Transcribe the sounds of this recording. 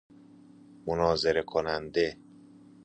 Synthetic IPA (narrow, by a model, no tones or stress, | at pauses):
monɒːzeɾekʰonænd̪e